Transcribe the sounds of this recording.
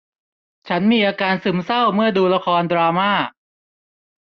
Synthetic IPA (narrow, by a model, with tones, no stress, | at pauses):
t͡ɕʰa˦˥nmiː˧ʔaː˧kaː˧nsɯ˨˩msa˥˩wmɯ˥˩ɐduː˧la˧kʰɔː˧ndɾaː˧maː˥˩